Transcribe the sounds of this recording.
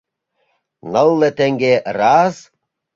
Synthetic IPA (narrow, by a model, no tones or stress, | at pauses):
nɤlˠːet̪eŋɡerɑz